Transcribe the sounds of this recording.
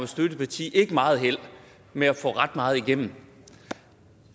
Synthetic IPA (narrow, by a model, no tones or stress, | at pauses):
mesd̥ødəpʰɑ̈t͡sʰḭːʔe̝ɡ̥əmɑ̈ːð̞̩ˠɦel̰ | meæfɔ̰̽ːʁɑ̈d̥mɑ̈ːð̞̩ˠiɡ̥em̰m̩